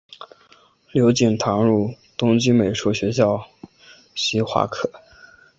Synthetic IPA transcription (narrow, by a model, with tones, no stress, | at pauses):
ljo˧˥ʊt͡ɕi˨˩ŋt̪ʰɑ˧˥ŋɻu˥˩ | t̪ʊ˥ŋt͡ɕi˥me˨˩ɪʂu˥ɕɥɛ˧˥ɕ̬jɑ˥˩ʊ | ɕi˧˥xwa̰˥˩kʰɤ˥˩˦